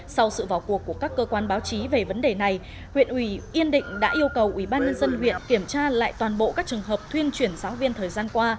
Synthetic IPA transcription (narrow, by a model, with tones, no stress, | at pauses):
sa˧wsɨ̰˧˨vaː˨˩wku˨˩əkːu˧˩əkaː˦˥kːəː˧kwaː˧nɓaː˨˦wt͡ɕi˨˦ve˨˩və˨˦nɗe˨˩na˨˩j | hwḭ˧˨ənʔwi˧˩ʔi˧ənɗḭ˧˨ŋ̟ɗa̰ː˧˦˥ʔi˧əwkə˨˩wʔi˧˩ɓaː˧nɲə˧nzə˧nɦwḭ˧˨ənki˧˩əmt͡ɕaː˧la̰ː˧˨jt̪waː˨˩nɓo̰˧˨kaː˦˥k̚t͡ɕɨ˨˩ə˩ŋɦəː˨˩p̚t̪ʰwi˧ənt͡ɕwi˧˩ənsaː˨˦wvi˧ənt̪ʰəː˨˩jzaː˧nkwaː˧